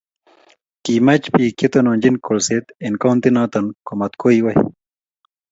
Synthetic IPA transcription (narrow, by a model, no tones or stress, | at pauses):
kimɐt͡ɕpiːket̪onõːnʲd͡ʑinkolset̪enkawnt̪inãːt̪ɐnkomɐt̪koiwɐj̰